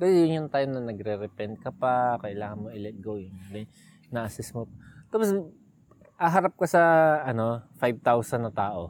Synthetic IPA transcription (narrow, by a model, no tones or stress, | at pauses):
ɡɐjjʊnjʊnt̪aːjomnɐnɐɡɾɛɾɛpɛnd̪̚kɐpɐkɐʔɪlaːŋɐnmoʔɪlɛt̪̚ɡojʊŋlɛ | naʔɐsɛsmʊt̚t̪aːpos | ʔɐɦɐɾap̚kɐsɐʔɐno̞fajb̚t̪awsɐnːɐt̪aːʔo̞